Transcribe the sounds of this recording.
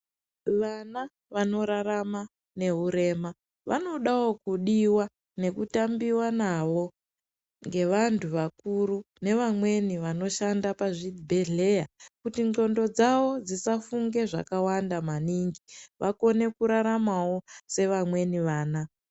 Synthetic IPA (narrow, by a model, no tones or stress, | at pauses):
ʋana | ʋano̞ɾaɾama | ne̞ɦuɾe̞ma | ʋa̰no̞ɗawo̞kuɗiwa | ne̞kutambiwanaʋo̞ | ŋɡe̞ʋantʰuʋakuɾu | ne̞ʋamwe̞niʋano̞ʃandapaʐibʱe̞ɮe̞jakutind͡ɮo̞ndo̞d͡zawo̞d͡zisafuŋɡe̞ʐa̰kawandamaniŋɡiʋʔako̞ne̞kuɾaɾamawo̞se̞ʋamwe̞niʋaːna